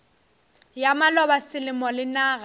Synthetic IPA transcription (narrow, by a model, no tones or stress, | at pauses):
jamalɔbasɪlɪmɔlɪnaːɣa